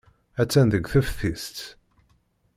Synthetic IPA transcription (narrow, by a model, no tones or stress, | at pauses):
æt͡sːænðəɡʷθəfθist̪